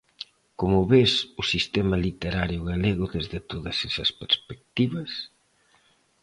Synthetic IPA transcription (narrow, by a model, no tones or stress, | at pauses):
komʊβesʊsist̪emɐlit̪eɾaɾjʊɣaleɣʊðezðɪt̪oðɐsɛsɐspeɾspek̚t̪iβɐs